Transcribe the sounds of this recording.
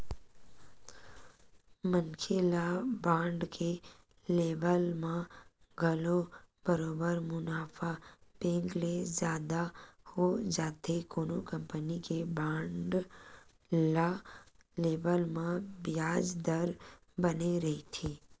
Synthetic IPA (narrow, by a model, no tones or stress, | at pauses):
mənkʰelabãːɳɖke | leːbəlmã | ɡʱəlobəɾoːbəɾmʊnaːfʰab̥ẽːŋɡlezjaːd̪ahod͡ʒaːt̪ekoːnokə̃mpənikebãːɳɖ | laleːbəlmãbɪjaːd͡ʒd̪əɾ | bəneɾɐɦit̪ʰiː